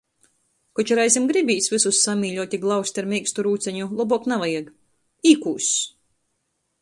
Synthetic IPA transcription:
kɔt͡ʃaɾajzʲimɡɾibʲiːsʲvisusːamʲiːʎʲɔɔt̪ʲiɡlˠawsʲt̪ʲaɾmʲiːkst̪uɾuːt̪sʲɛɲulˠɔbɔknavajiɡ | iːkuːsʲ

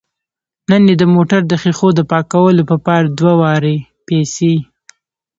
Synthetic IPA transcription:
nənjed̪əmoʈaɾd̪əxixod̪əpɑkawəlopəpɑɾad̪wawɑɾe | pɛse

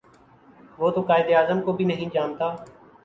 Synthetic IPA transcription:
ʋoːt̪oːkaːɪd̪eaːzəmkoːbʱiːnəɦĩːd͡ʒaːmt̪aː

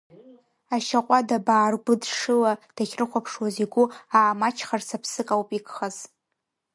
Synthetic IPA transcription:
aʃaqʷʼadabaːrɡʷʊdʂɨlad̥aχʲrɨχʷapʰʂwaziɡʷʊaːmat͡ʃʰχarsapʰsɨkʼawpʼikʼχaz̥

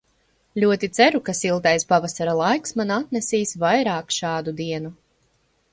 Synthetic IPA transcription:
lʲuɔt̪it̪sɛɾukasilˠt̪ajspavasaɾalˠajksmanat̪nesiːsvajɾaːkʃɑːd̪ud̪iɛnu

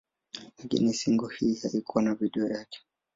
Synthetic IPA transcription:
lakḭnisiŋɡuhihaikuwanaviɗɛɔjakɛ̥

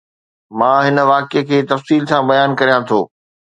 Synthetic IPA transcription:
mãːɦɪnə̆ʋaːkekʰeːt̪ɐfsiːlsãbɐjaːnkɐɾijãt̪ʰo̰ː

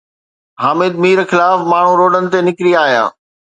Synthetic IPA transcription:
ɦaːmɪd̪̚miːɾxɪlaːfmaːɳ̤uɾoːɖənɪ̆t̪enɪkɾiaːɦija̰ː

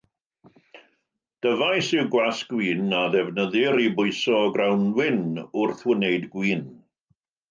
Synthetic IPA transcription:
d̥əvajsɪwɡwasɡ̥wiːnaðɛvnəðɪɾibʊɨsɔɡrawnwɪnʊrθwənejdɡwiːn

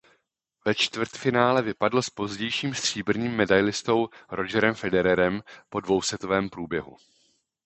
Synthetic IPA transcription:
vɛt͡ʃt̪vrt̪fɪnaːlɛvɪpadlospo̞zɟɛjʃiːmst̪r̝̥iːbr̩ɲiːmːɛdajlɪst̪o̞wɾʔo̞d͡ʒɛɾɛmfɛdɛɾɛɾɛmpo̞dvo̞wsɛt̪ovɛːmpɾuːbjɛɦṵ

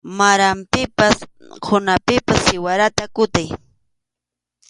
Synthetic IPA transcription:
maɾampɪpaskʰʊnapɪpasːɪwaɾat̪akʊt̪aj

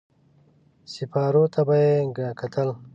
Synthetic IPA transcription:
sifaːɾot̪ʰabajeɡakʰat̪ʰəl

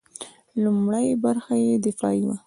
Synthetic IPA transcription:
lʊmɽajbaɾxajed̪ɪfɑ̰iwa

